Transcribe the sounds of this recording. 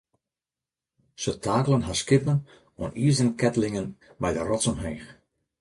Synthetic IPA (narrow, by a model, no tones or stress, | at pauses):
sətʰaːkəlˠənɦaskɪpən | ɔ̰ənizdənkɛtəlɪŋən | bɛjdərɔtsɔmɦeːx